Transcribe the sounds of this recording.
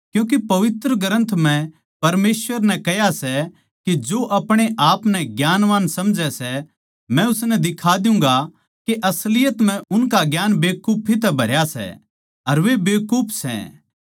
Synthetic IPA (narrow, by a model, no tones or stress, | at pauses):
kjũːk̬epɐʋɪt̪ɾəɡəɾə̃nt̪ʰm̤ɛ̃ | pɐɾmeːsʋəɾnɛ̃kɛjasɛ | kid͡ʒoʔɐpɽ̃eʔaːpnɛɡjaːnʋaːnsɐmd͡ʒɛsɛ | mɛ̃ʊsnɛd̪ɪkʰad̪ɪjʊ̃ŋ̆ɡa | keʔɐslɪjət̪m̤ɛ̃ʔʊnkaɡjaːnbeːkuːpʰit̪̬ɛbʱɐɾjasɛ̰ | ɐɾʋebeːkuːpʰsɛ̰